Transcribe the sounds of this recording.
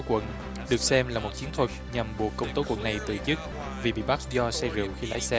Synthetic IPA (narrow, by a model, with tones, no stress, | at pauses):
kwə̰˧˨n | ɗɨ˨˩ək̚sɛ˧mlaː˨˩mo˨˩t̚t͡ɕi˨˦ənt̪ʰwə˨˩t̚ɲa˨˩mɓu˨˩əkːə˧wŋ͡mt̪o˨˦kwə̰˧˨nːa˨˩jt̪ɨ̰˧˨t͡ɕɨ˦˥t̚ | vi˨˩ɓḭ˧˨ɓa˦˥k̚zɔ˧sɛ˧zḭ˧˨əwxi˧la̰ː˧˥jsɛ˧